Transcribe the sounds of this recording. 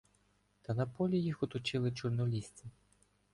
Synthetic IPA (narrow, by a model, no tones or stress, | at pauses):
t̪ɐnɐpɔlʲijixɔt̪ɔt͡ʃɪlˠɪt͡ʃʊrnɔlʲisʲt͡sʲi